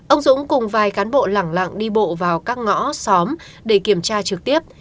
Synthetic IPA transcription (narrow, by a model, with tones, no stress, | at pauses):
ʔə˧wŋ͡mzʊ̰˧˥ŋ͡mkʊ˨˩ŋ͡mvaː˨˩jkaː˨˦nɓo̰˧˨laː˧˩ŋla̰˧˨ŋɗi˧ɓo̰˧˨vaː˨˩wkaː˦˥k̚ŋɔ̰˧˥sɔ˨˦m | ɗe˧˩ki˧˩əmt͡ɕaː˧t͡ɕɨ˨˩k̚t̪i˦˥əp̚